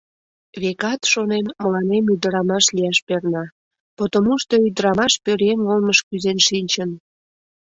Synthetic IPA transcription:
βekɑt̪ʃonenməlɑnemyd̪əɾɑmɑʃlijɑʃpernɑ | pot̪omuʃt̪oyd̪əɾɑmɑʃpøɾenolməʃkyzenʃinʲt͡ɕən

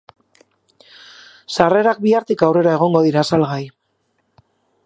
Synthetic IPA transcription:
sare̞ɾak̚biaɾt̪ikawre̞ɾae̞ɣ̞o̞ŋɡo̞ðiɾasalɣaj

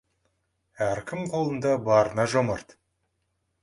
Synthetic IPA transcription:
æɾkʲʰɪmqʰo̞lˠənd̪ɑbɑɾənɑʒoməɾt̪

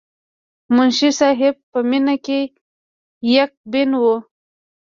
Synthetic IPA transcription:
mʊnʃisɑɦɪb̚pəminake | jak̚bɪnwu

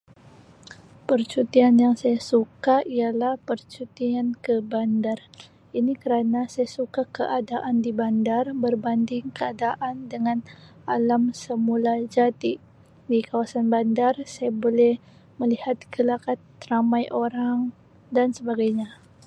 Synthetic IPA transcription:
pərt͡ʃut̪ianjaŋsajasukaialahpərt͡ʃut̪iankəbandar | inikəɾanasajasukakəʔadaʔandibandarbərbandɪŋkəadaʔandəŋanalamsəmulad͡ʒat̪i | dikawasanbandarsajabolɛh | məlihat̪ɡəlakat̪ramajʔoɾaŋ | dansəbaɡajɲa

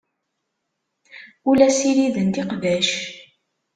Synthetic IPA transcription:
ulæsiɾiðənt̪iqðæʃ

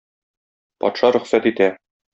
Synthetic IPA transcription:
pɒ̰t̪ʃɑɾɵ̆χsæt̪it̪æ

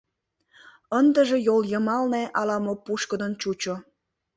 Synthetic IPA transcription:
ənd̪əʒejoljəmɑlneʔɑlɑmok̚puʃkəd̪ənt͡ɕut͡ɕo

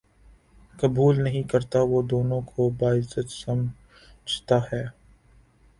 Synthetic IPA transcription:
kɐbuːlnɐɦĩkɐɾt̪aʋoːd̪oːnõkʰobaːɪzət̪sɐm | d͡ʒʱt̪ahɛː

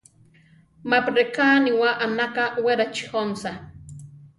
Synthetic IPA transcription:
mapɾekaːniwaʔanakaweɾat͡ʃi̥xonsa

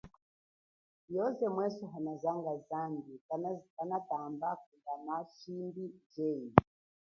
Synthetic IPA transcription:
jɔzɛmwɛsɔɦanazaŋɡazambikanatambak̚uɡanaʃimbid͡ʒɛi

